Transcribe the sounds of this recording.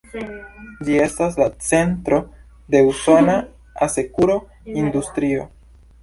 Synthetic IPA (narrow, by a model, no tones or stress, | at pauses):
d͡ʒie̞stas̬lat͡se̞ntɾo̞ | de̞usona | ase̞kuɾo̞ | industɾio̰